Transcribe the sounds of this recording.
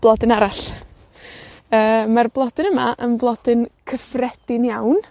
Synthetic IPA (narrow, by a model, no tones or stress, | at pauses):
b̥lˠɔdɨnaɾaɬ | əːmarblˠɔdɨnəmaʔənvlˠɔd̥ɨnkʰəfrɛd̥ɪnjawn